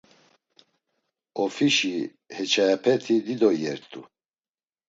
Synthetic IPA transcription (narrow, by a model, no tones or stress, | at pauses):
ɔfiʃi | hɛt͡ʃʰajapʰɛt̪ʰid̪id̪ɔjɛɾt̪ʰʼu